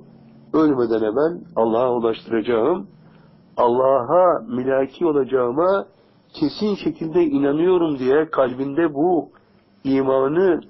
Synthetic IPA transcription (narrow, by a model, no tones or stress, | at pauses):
ølʲmed̪ænɛbænɑlˠːaːɦulˠaʃt̪ʰɯɾad͡ʒaɯm | ɑlˠːaːɦamilʲaːcʰiːo̞lˠad͡ʒaɯma | cʰe̞sinʃe̞cʰilʲd̪ɛinanɯjo̞ɾumd̪ijɛkʰalʲbind̪ɛbu | iːmaːnɯ